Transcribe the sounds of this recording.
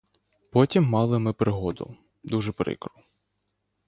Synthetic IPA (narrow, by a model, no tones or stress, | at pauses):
pɔtʲimːɑlˠɪmɪpɾɪɦɔd̪ʊ̰ | d̪uʒɛpɾɪ̰kɾʊ